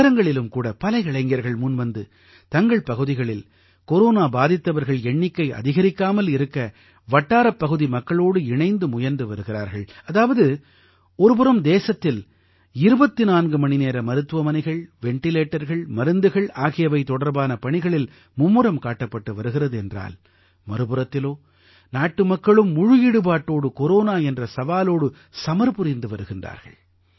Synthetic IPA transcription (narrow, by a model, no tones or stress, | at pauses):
ɾɐŋɡɐɭɪlɯmkuːɽɐpɐlɐɪɪɭɐɪŋɡɪɐɾɣɐɭmʊnʋɐnd̪ɯ | t̪ɐŋɡɐɭpɐɣɯðɪɣɐɭɪl | kɔɾoːnaːbaːðɪt̪ːɐʋɐɾɣɐɭɛɳːɪkːɐɪʔɐ̰ðɪɣɐɾɪkːaːmɐlɪɾɯkːɐ | ʋɐʈːaːɾɐpːɐɣɯðimɐkːɐɭoːɽɯɪɳɐɪnd̪ɯmʊjɐɾnd̪ɯʋɐɾɯɣɪra̰ːɾɣɐɭɐðaːʋɐðɯ | ɔɾɯp̬ɯɾɐmd̪eːsɐt̪ːɪl | ɪɾɯbɐt̪ːinaːnɡɯmɐɳɪneːɾɐmɐɾɯt̪ːɯʋɐmɐnɐɪɣɐɭʋɛɳʈɪleːʈːɐɾɣɐɭmɐɾɯnd̪ɯɣɐɭaːɣɪjɐʋɐɪt̪ːɔɽɐɾbaːnɐpɐɳɪɣɐɭɪl | mʊmːɯɾɐmkaːʈːɐpːɐʈːɯʋɐɾɯɣɪrɐðɯɛndra̰ːl | mɐɾɯpɯɾɐt̪ːɪloː | naːʈːɯmɐkːɐɭɯmːʊɻɯjɪɽɯbaːʈːoːɽɯkɔɾoːnaːɛndrɐsɐʋaːloːɽɯ | sɐmɐɾpɯɾɪnd̪ɯʋɐɾɯɣɪndra̰ːɾɣɐ̰ɭ